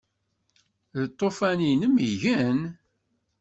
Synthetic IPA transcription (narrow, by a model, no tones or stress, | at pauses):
ðət̪ˤːofæninəmiʝən